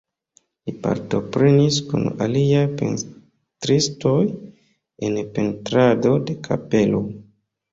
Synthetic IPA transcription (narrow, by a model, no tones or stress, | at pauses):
lipa̰ɾto̞pɾe̞niskṵna̰liajpḛn | tɾisto̞j | enpe̞ntɾado̞de̞kʰa̰pe̞lo